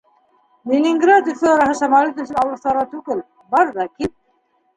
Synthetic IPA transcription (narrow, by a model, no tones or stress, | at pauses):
lʲinʲɪŋɡrat̪ɵsɘɑɾɑhɤʃɑmɑlit̪ɵ̆sɘnɑwlˠɤ̆st̪ˠɑɾʁɑt̪ʉɡɘl | bɑɾðɑkip̚